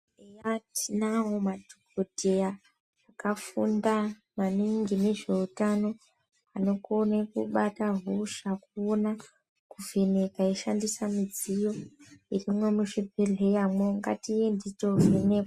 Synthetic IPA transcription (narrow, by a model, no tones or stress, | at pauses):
ejatʰinawomadʱokodʱejaː | kafṵnda | maniŋɡine̞ʐe̞utano̞ | ano̞konekuɓataɦuʃakuona | kuve̞ne̞kaiʃandisamid͡zijo̞irimwemuʃibʱeɮʱe̞jamoŋɡa̰tijendito̞veneka